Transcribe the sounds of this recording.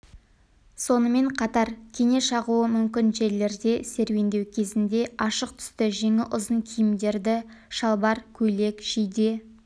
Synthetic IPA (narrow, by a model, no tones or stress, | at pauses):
so̞nəme̞ɴqʰɑt̪ɑɾkʲʰe̞ŋe̞ʃɑʁuəmʏmkʲɪnʒe̞ɾle̞ɾd̪e̞se̞ɾwe̞nd̪e̞wkʲʰe̞zɪnd̪e̞ɑʃəq̚t̪ʰʏ̥st̪ɪʒe̞ŋɪʔʊzəɴkʲʰijɪmd̪e̞ɾd̪ɪʃɑlˠbɑɾkʲʰɵle̞kʒ̥ijd̪e